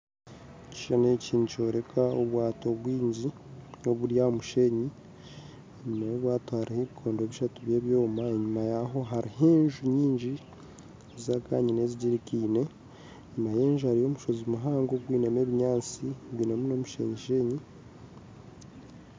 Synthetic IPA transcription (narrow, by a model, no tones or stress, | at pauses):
ci̥ʃaneciːnuco̞ːɾe̞kʰaoβwaːto̞βwiːɲɟi | o̞βuɾjamuʃe̞ɲi | eɲumajoβwaːtohaɾiheβikʰo̞ːndoeːβiʃatuβjeːβjo̞ːmae̞ɲumajaɦo̞ɦaɾiheːɲʒuɲiːɲɟi | zaka̰ːɲine̞ziɟiɾikiːne̞ | ɲumajeːnʒhaɾijo̞muʃo̞zimuɦaːŋɡoɡwiːname̞ːβiɲaːt͡siβinamuno̞muʃe̞̰ɲiʃe̞ɲi